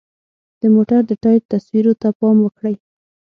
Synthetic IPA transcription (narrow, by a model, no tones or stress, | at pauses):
d̪̥əmoʈaɾd̪əʈɑjp̚t̪aswiɾot̪apɑmwəkɽəj